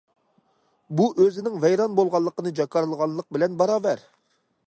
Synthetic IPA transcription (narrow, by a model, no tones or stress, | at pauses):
buʔøzɪnɪŋvɛjɾɑnbolˠʁɑlˠːəqənɨd͡ʒɑkɑɾlˠəʁɑnlˠəq̚bɪlɛnbɑɾɑːvɛɾ